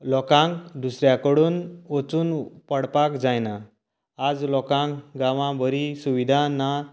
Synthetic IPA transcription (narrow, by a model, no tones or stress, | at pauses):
lɔkãŋkd̪usɾjakəɽuːnɔt͡suːnpəɽpakd͡zajnaː | d͡zlɔkãŋkɡãʋãbəɾisuʋid̪ʱãna